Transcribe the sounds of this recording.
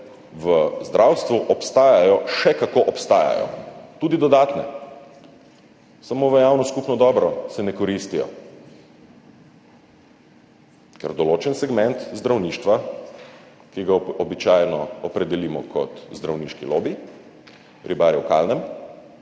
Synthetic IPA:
ʋəzd̪ɾʔawst̪ʋuʔɔpst̪aːjajɔʃɛkakoʔɔpst̪aːja̰jɔ̰t̪uːd̪id̪ɔd̪aːt̪nɛ | samoːʋəjawnɔskupnɔd̪ɔːbɾɔsɛnɛkɔɾist̪ijɔ̰ | kɛ̰ɾd̪ɔloːt͡ʃɛnsɛɡmɛnt̪zd̪ɾawniːʃt̪ʋa | kiɡaɔbit͡ʃajnɔɔpɾɛd̪ɛlimɔkʰɔ̰t̪zd̪ɾawniʃkiloːbi | ɾʔibaɾjɛwka̰lnɛm

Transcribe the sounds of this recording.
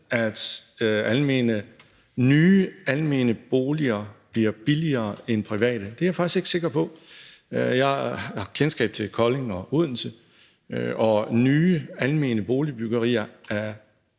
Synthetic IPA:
æd̥ælme̝̰ːnə | nyːælme̝̰ːnəb̥o̝ːliɐb̥liɐb̥iliɐːenpʰʁiʋɛ̰ːd̥əd̥e̝æafɑ̈ɡ̥isɡ̥eɡ̥se̝ɡ̥ɐpʰɒ̽ | jɑhɑkʰensɡ̥ɛ̰ːb̥̚t͡sʰe̝lkʰɒ̽le̝ŋɒ̽ʔuðˠn̩sə | ɒ̽nyːælme̝̰ːnəb̥o̝ːlib̥yɡ̥ɐʁḭːɐæɐ

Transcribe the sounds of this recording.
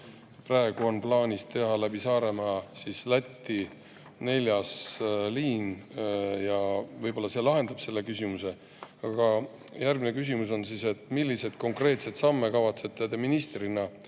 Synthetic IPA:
prɑe̞ɡ̥uonplɑːnʲist̪e̞ɦɑlæbisɑːɾe̞mɑsislæt̪ːi | ne̞lʲjɑsliːn | jɑvɤjbo̞lːɑse̞lɑɦe̞nd̪ɑb̥se̞lːe̞kysimuse̞ | ɑɡ̥ɑ | jærɡ̥̚mine̞kys̬ʲimuso̞nsise̞t̪ˑmilʲːise̞d̪̥ko̞ŋkre̞ːt̪se̞t̪sɑmːe̞kɑvɑt̪se̞t̪ːˑed̪eminist̪rinɑ

